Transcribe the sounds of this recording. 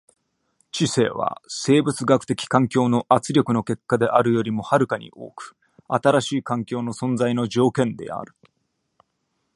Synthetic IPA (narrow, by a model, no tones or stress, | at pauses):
t͡ɕise̞̰ːβa̰se̞ːbɯ̟t͡sɨɡakɯ̟̥t̪e̞kʲi̥kãŋkʲo̞ːno̞ʔat͡sɨɾʲjokɯ̟no̞ke̞kːad̪e̞ʔaɾɯ̟jo̞ɾʲimo̞haɾɯ̟kaɲ̟ḭʔo̞̰ːkɯ̟̥ | a̰t̪aɾaɕiːkãŋkʲo̞ːno̞sõ̞nd͡zaino̞d͡ʑo̞ːkẽ̞nd̪e̞̰a̰ɾɯ̟